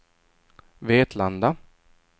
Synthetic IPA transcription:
veːt̪ʰland̪a

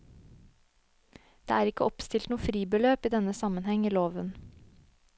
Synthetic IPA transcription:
d̪̥ḛːæːɾɪkəɔpst̪ɪlt̪nuːəfɾiːbəløːpiːd̪ɛnəsɑmənhɛŋiːloːʋən

